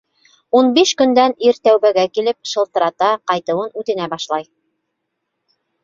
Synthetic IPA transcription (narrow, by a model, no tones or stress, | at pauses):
unbiʃkɵ̆nd̪æniɾt̪æwbæɡækilɘp̚ʃɤ̆lˠt̪ɤ̆ɾɑt̪ɑqɑjt̪ɤ̆wɤnʉt̪ɘ̆næbɑʃlˠɑj